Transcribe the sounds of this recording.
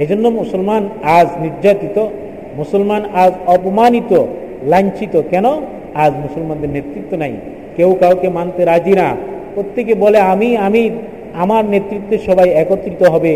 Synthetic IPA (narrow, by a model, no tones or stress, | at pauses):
ed͡ʑonːomusolmanad͡ʑniɾd͡ʑat̪it̪o | musolmanad͡ʑɔpomanit̪o | lant͡ɕit̪okɛno | ad͡ʑmusolmand̪eɾnet̪ɾit̪ːonaj | kewkawkemant̪eɾad͡ʑinapɾot̪ʰːekebɔleamiami | amaɾnet̪ːɾit̪ːeɾʃɔbajɛkot̪ːɾit̪oɦɔbe